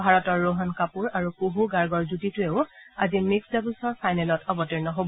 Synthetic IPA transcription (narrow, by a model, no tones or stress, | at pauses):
bʱaɹɔtɔɹːoɦɔnkapuɹaɹukuɦuɡaɹɡɔɹzutitʊeʊazimiksdabulsɔɹpʰajnɛlɔtʰɔbɔtiɹnɔɦobɔ